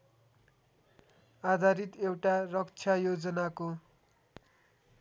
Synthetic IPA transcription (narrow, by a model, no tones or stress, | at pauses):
ad̪ʱaɾit̪ewʈarʌkt͡sʰjajod͡zʌnako